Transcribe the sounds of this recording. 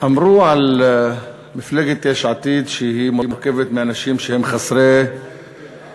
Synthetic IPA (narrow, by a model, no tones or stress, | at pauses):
ʔamɾuːʕal | mɪflaɡɪt̪ːeːʃʕat̪iːd̪ʃhiːmʊmʊɾkavɪt̪mɪnaʃiːmʃhɪmxasˤɾe